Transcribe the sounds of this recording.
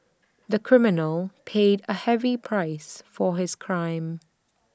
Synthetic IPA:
ðəkʰɹ̥ɪmɪnəlˠpʰeɪdəhɛvipʰɹ̥aɪsfəɦɪz̥kʰɹ̥ãɪ̃m

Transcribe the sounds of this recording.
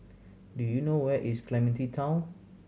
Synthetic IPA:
dujunowɛʔiskʰlɛmɛ̃ntitʰãʊ̃n

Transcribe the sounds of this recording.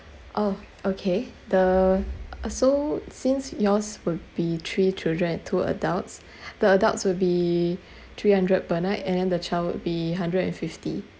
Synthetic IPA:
ʔo | okʰedə | sosĩnsjɔswʊdbit̪ʰɹit͡ʃildɹə̃nɛ̃ntʰuə̰dalts | d̥əədaltswubi | t̪ʰɹihãndɹəd̚pənaɪtɛ̃ndɛ̃ndət͡ʃʰaɪlwʊ̰dbiɦãndɹədɛ̰̃nfifti

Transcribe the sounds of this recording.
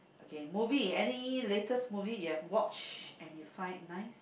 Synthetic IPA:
ʔokemuviɛniletəsmuvijuɛvwɔt͡ʃɛ̃njufãɪ̃nnaɪs

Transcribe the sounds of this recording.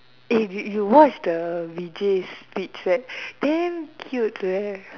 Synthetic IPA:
ifjjuwɔt͡ʃdəvid͡ʒespit͡ʃɛt̚d̪ɛ̃ŋkʰjutwɛ

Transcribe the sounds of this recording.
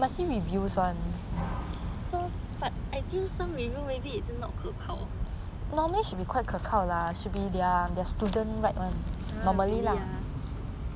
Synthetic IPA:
masiɹivjuswãn | so | b̥at̚ʔajfilsãmɹivjumebiid͡ʒənɔ̰t̚kʰəkʰaʊ | nɔməliʃut̚bikwaɪt̚kʰəkʰawlaʃut̚bidɛədɛəstudə̃nɹaɪt̚wãn | nɔməlila

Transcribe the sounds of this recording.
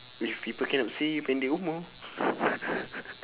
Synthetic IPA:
ifipəkenap̚sijupɛndiumu

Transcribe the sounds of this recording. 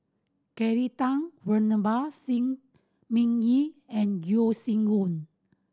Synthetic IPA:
kɛɹit̪ãŋwənəbasĩŋ | mĩŋiɛ̃nɡjosĩŋɡũn

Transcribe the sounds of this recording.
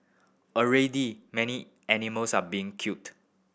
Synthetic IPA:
əɹedimɛni | ʔɛniməlsabiɪ̃ŋkʰjut

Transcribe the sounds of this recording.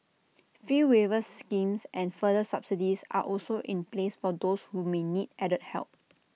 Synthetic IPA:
fɹiwevəskĩmsʔɛ̃nfədəsapsidisa̰ʔɔlsoʔĩnplesfɔdoshumenidɛɾət̚hɛ̰lp̚

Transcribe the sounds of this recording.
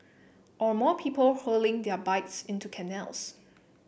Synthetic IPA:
ʔɔmɔpʰiːpəlholɪ̃ŋdɛbaɪtsɪ̃ntukʰɛnɛ̰ls

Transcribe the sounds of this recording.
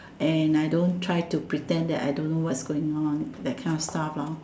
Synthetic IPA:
ʔɛ̃najdõntʰɹajtupɹitɛ̃ndɛ̰ta̰jdõnːowɛtsɡoɪ̃ŋɔ̃ndɛt̚kʰãɪ̃nɔfstaflaʊ

